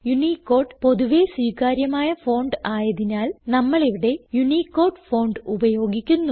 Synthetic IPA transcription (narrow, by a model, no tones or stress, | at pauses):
juniːkːoːrɖpo̞ðuʋeswiːkaːɾjɐmaːjɐfo̞ːɳɖɨaːjɐðinaːlnɐmːɐɭiʋiɽe̞junikːo̞ːrɖfo̞ːɳɖubɐjo̞ːɡikʲːunːu